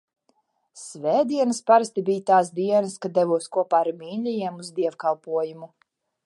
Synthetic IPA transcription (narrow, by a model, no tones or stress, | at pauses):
svʲɛːd̪iɛnɨspaɾast̪ibiːjt̪aːsd̪iɛnɨskad̪ɛvuɔskuɔpaːaɾmʲiːnlʲijiɛmuzd̪iɛvkalˠpuɔjumu